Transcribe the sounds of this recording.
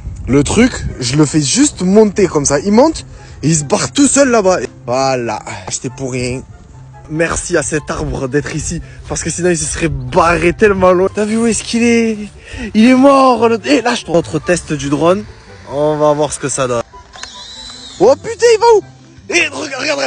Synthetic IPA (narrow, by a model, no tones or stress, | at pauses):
lət̪χykʒələfɛʒyst̪mɔ̃t̪ekɔmsaʔilmɔ̃t̪ | eis̬əbaʁt̪usœlːabae | vala̰ʃt̪epuʁjɛ̃ | mɛʁsiasɛt̪aʁbʁəd̪ɛt̪χisipaʁsə̥kəsinɔ̃ils̬əsəʁɛbaʁet̪ɛlmɑ̃lwɛ̃t̪yavywɛskilɛ | ilɛmɔʁlelaʒət̪ɔt̪χət̪ɛst̪d̪yd̪ʁɔn | ɔ̃vavwaʁsə̥kəsad̪ɔn | wɔpyt̪ɛ̃ivau | eʁəɡʁəɡaʁd̪ʁɛ